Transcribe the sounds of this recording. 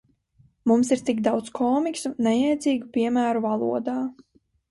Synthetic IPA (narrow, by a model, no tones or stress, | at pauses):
mumsiɾt̪ikd̪awt̪skʰɔːmiksunːɛjɛjt̪ziːɡupiɛmæːɾuvalˠṵɔd̪aː